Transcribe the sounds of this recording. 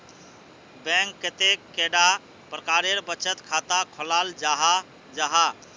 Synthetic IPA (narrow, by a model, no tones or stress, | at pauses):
bɛ̃ŋkːet̪ekːeɖa | pɾəkaɾeɾbət͡ʃət̪kʰat̪akʰɔlald͡ʒaɦa | d͡ʒaɦa